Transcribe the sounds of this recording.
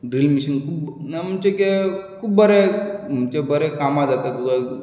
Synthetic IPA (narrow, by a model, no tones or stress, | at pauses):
ɖilmiɕənkʰuːbnamumt͡ɕekekʰuːbbəɾemumt͡ɕebəɾekamad͡zat̪et̪uka